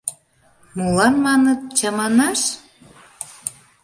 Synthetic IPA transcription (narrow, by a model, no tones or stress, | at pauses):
mulɑnmɑnət̪̚t͡ɕɑmɑnɑʃ